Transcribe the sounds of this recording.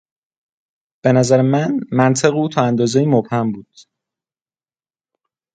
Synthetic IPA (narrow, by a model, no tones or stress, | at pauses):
b̥e̞næzæɾemænmænt̪ʰeɣuːt̪ʰɒːænd̪ɒːzejiːmobhæmbuːd̪̥